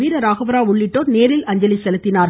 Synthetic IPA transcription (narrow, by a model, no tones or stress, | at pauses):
iːɾɐɾaːɣɐʋɐɾaːʊɭːɪʈːoːɾneːɾɪlɐɲd͡ʒɐlɪsɛlɯt̪ːɪnaːɾ